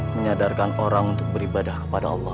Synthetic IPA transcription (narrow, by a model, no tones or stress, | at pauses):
məɲadarkanoɾaŋunt̪ʊk̚bəɾibadahkəpadaɑlˠːɑh